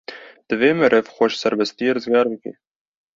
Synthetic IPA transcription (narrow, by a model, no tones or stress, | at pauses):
d̪̥ɨveːmæɾɛvxɔʃsɛɾbɛst̪ijeːɾɨzɡɑːɾbɨkḛː